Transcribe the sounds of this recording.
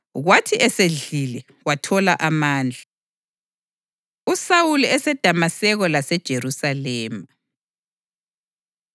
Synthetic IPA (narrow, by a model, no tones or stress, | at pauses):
ɣwatʰiʔɛseɮilɛ | watʰɔlaʔamaːnd͡ɮʱa | usawuluɛsɛd̥ʱamasɛɣɔlasɛd̥ʒ̥ʱerusalɛːma